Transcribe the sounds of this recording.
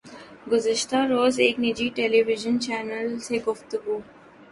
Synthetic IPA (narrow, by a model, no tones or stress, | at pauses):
ɡʊzəʃt̪aɾoːzeːknɪd͡ʒiʈeːleʋɪʒənt͡ʃɛːnəlseɡʊft̪əɡuː